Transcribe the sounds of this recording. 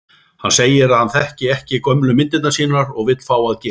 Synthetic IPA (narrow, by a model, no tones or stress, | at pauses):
hanseːjɪɾaðhanθɛhcɪɛhcɪkœmlʏmɪnt̪ɪt̪naɾsiːnaɾɔɣvɪt̪l̥faːwaðcɛː